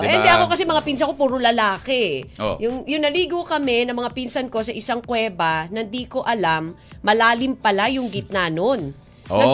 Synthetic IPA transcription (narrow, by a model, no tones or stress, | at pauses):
ʔɛnd̪ɛʔɐko̞kɐsɛmɐŋapins̬ɐkopuːɾolɐlaːkɛjʊŋjʊŋnɐliːɡokɐmɛnɐmɐŋapinsɐnko̞sɐʔɪsaŋkwɛːbɐnɐnd̪iko̞ʔɐlamːɐlaːlɪmpɐlajʊŋɡɪt̪̚nanon | ɐ